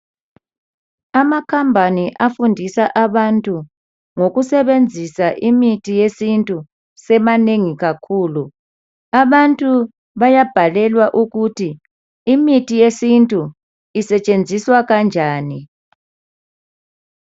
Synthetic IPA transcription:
amakʰambʱaniʔafundʱisaʔaβantʼu | ŋoɣusɛβend͡zʱisaʔimitʰijesintʼu | sɛmaneŋiɣakʰuːlu | aβantʼu | βajab̥ʱalɛlwaʔuɣutʰiː | mitʰijesintʼu | isɛt͡ʃʼend͡zʱiswaɣand͡ʒʱaːni

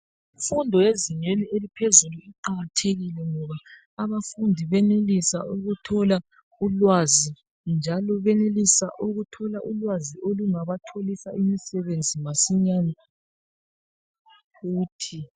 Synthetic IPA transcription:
ifundʱɔjeziɲwenielipʰezuluiǃaɣatʰeɣilɛŋɔβaː | βafundʱiβɛnelisa̰uɣutʰɔla | ulwazi | nd͡ʒʱalɔβɛnelisa̰ʔuɣutʰɔlaʔulwaziʔoluŋaβatʰolisaʔimisɛβend͡zʱimasiɲana | fuːtʰi

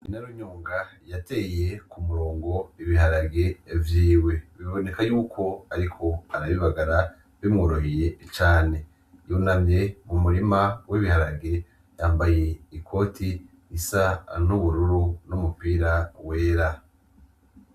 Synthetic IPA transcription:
inaɾuɲuːŋɡajate̞je̞kumuɾo̞ːŋɡo̞iβiɦaɾaɡe̞vjiːwe̞βiβo̞ne̞kajuːkʰo̞aɾikʰo̞aɾaβiβaɡaɾa | βimŋuɾoɦije̞t͡ʃaːne̞ | junamɲe̞mumuɾimawiβihaɾaɡe̞ | jaːmbaje̞ikʰo̞ːtʰi | isanuβuɾuɾunumupiːɾawe̞ːɾa

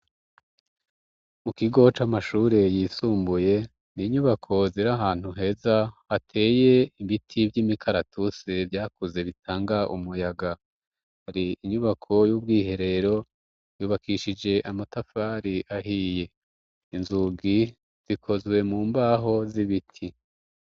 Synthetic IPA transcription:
mukiɡo̞t͡ʃamaʃuːɾe̞jiːsuːmbuje̞ | niɲuβakʰo̞ziɾaɦaːn̥huɦe̞ːzaatʰe̞ːje̞imbitʰivjimikʰaɾatusevjaːkuze̞βitʰaːŋɡaʔṵmujaɡa | haɾiiɲuβakʰo̞juːbɡiːɦe̞ɾe̞ɾo̞ | juːβakʰiʃid͡ʒe̞ʔamatafaːɾiʔaɦije̞ | inzuɡi | z̥ikʰo̞zwe̞muːmbaːɦo̞ziβitʰi

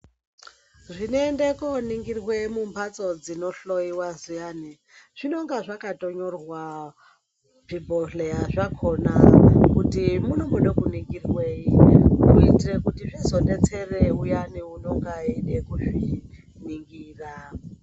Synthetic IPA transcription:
ʐʷineendekoniŋɡirwemumpʰat͡sʼod͡zinoɬoiwazujani | ʐ̥inoŋɡaʐakatʼoɲorwa | v̥iboɬejaʐakʰonakutimunomuɗokuniŋɡirweikuitirekutiʐizondet͡sʰereujaniunoŋɡaɦiɗekuʂi | niŋɡiːra

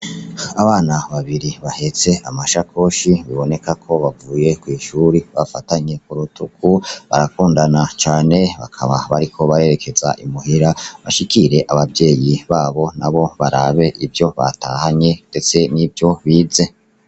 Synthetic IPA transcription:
aβaːnaβaβiɾiβahe̞t͡se̞amaʃakʰo̞ʃiβiβo̞ne̞kakʰo̞βavuːje̞kwiːʃuɾiβafataɲe̞kuɾutʰukuβa̰ɾakuːndanat͡ʃaːne̞βa̰kʰaβaβaɾikʰo̞βaɾe̞ːɾe̞kʰe̞za̰ʔimuhiɾaβaʃikiɾe̞ʔaβabɟe̞ːjiβaːβo̞naβo̞βaɾaːβe̞ʔibjo̞βa̰ta̰ːhaɲe̞nd̥e̞t͡se̞nibjo̞βiːze̞

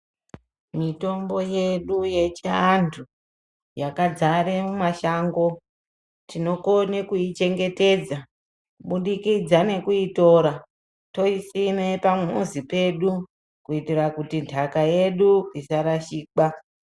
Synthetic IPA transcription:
mito̞mbo̞je̞ɗuje̞t͡ʃiantʰu | jakad͡zaɾemumaʃaŋɡo̞ | tino̞konekujit͡ʃe̞ŋɡe̞te̞d͡za | kuɓuɗikid͡zane̞kuito̞ɾa | to̞isine̞pamuzipe̞ɗu | kuitirakutintʰakaje̞ɗuisaɾaʃiːka

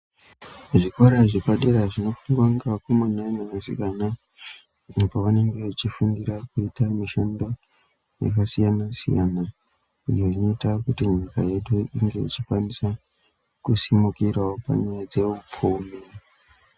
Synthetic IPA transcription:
ʐikoɾaʐikaɗeɾaʐino̞fuŋɡwaŋɡakumunanamazḭkana | paʋane̞ŋɡe̞ut͡ʃifundiɾakuitamiʃando̞ | ja̰kasijanasḭja̰na | ijoinoitakutiɲika̰je̞ɗuʔiŋɡe̞̰it͡ʃikwanisa | kusimukiraopa̰ɲajad͡ze̞up͡fumi

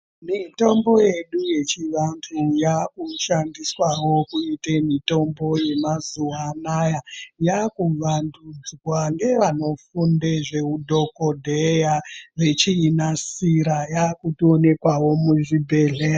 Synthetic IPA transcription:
mito̞mbo̞je̞ɗuje̞t͡ʃiʋantʰujakuʃandiswawo̞kuitemito̞mbo̞je̞mazuwanajajakuʋandud͡zwaŋɡe̞ʋano̞fundeʐe̞udʱo̞ko̞dʱejaʋe̞t͡ʃiːnasiɾajakutio̞ne̞kwawo̞muʐibʱe̞ɮea

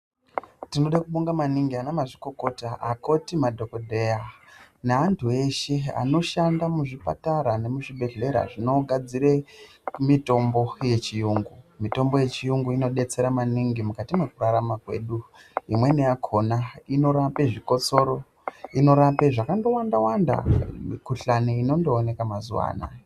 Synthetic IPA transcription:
tino̞ɗakuɓuŋɡamaniŋɡianamaʐiko̞ko̞taako̞timadʱo̞kodʱe̞janeantʰue̞ʃe̞a̰no̞ʃandamuʐipa̰taɾane̞muʐibʱe̞ɮe̞ɾa̰ʐino̞ɡʱad͡ziɾe̞ | mito̞mbo̞je̞t͡ʃijuŋɡumito̞mbo̞je̞t͡ʃijuŋɡuino̞ɗe̞t͡se̞ɾamaniŋɡimukatimwe̞kuɾaɾamakwe̞̰ːɗuimwe̞nejakʰo̞naino̞ɾape̞ʐiko̞t͡so̞ɾo̞ | ino̞ɾape̞ʐakando̞wandawanda̰mikuɬaniino̞ndo̞ːne̞kamazṵwa̰ːna̰

